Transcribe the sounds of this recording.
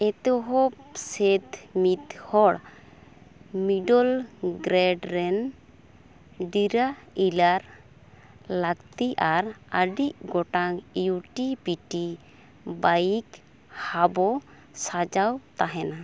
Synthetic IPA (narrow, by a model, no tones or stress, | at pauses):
ɛt̪ɔɦɔsɛd̪mit̪hɔɽ | miɖɔlɡɾɛɖɾɛn | ɖiɾailaɾ | lakt̪iʔaɾəɖiʔɡɔʈaŋjuʈipiʈi | bajik | habɔ | sad͡ʒawt̪aɦɛna